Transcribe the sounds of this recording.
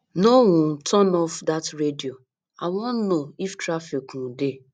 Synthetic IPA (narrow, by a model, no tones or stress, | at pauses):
nowɔ̃ntʰɔnɔfdatɹedio | awɔnnoiftɾafikũde